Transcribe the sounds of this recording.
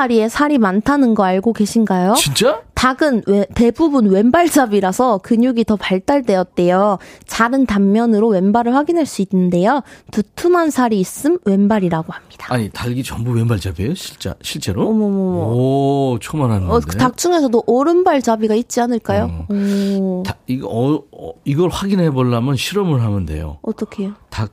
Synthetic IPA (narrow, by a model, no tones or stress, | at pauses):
aɾie̞sʰaɾimantʰanɯnɡʌaɭɡoɡe̞ɕʰinɡajoint͡ɕ͈ataɡɯnwete̞bubunwe̞nbaɭd͡ʑabiɾasʰʌkɯɲuɡitʌpaɭt͈aɭde̞jʌt̚t͈e̞jot͡ɕaɾɯntamːjʌnɯɾowe̞nbaɾɯɭɸwaɡinɦaɭs͈uinːɯnde̞jotutʰumansʰaɾiːs͈ɯmwe̞nbaɾiɾaɡohamɲid̥ḁaɲitaɭɡit͡ɕʌmbuwe̞nbaɭd͡ʑabiejoɕʰiɭt͡ɕ͈ḛɕʰiɭt͡ɕ͈e̞ɾomomomo | t͡ɕʰomanɦandetak̚t͡ɕ͈uŋe̞sʰʌdoʔʌɾɯnbaɭt͡ɕabiɡait̚t͡ɕ͈ianɯɭk͈ajoʌtaiɡʌiɡʌɭɸwaɡinɦeboɭːamjʌnɕʰiɾʌmɯɭɦamɯnde̞̰jo̰ʌt͈ʌkʰe̞jotak̚